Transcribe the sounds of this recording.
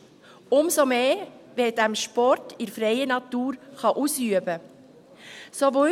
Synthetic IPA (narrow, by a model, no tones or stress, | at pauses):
ʊmsomeːʋed̥æmʃpɔɾtʰɪɾfɾɛɪənɑt̪uːɾχɑʔusyəbə | sovo